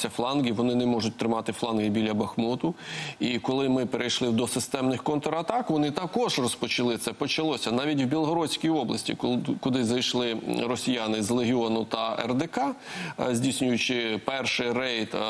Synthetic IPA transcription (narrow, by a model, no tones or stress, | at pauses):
sʲɐflˠɑnɡʲiʋɔnɪnɪmɔʐʊt̚ʲt̪ɾɪmɑt̪ɪflˠɑnɦɪbʲilʲɐbɐxmɔt̪ʊikɔlˠɪmɪpeɾʔejʃlˠɪwd̪ɔsɪst̪ɛmnɪxkɔnt̪ɔɾɐt̪ɑkʋɔnɪt̪ɐkɔʒrɔspɔt͡ʃɪlˠɪt̪sɛpɔt͡ʃɐlˠɔsʲɐnɑʋʲitʲwbʲilˠɦɔɾɔsʲkʲijɔblˠɐsʲtʲḭkʊd̪ɪzɐjʃlˠɪrɔsʲijɑnɪzlˠeɦʲɪɔnʊt̪ɐɛ̰rd̪ekɑzʲdʲisʲnʲʊjʊt͡ʃɪpɛrʃɪjɾɛjt̪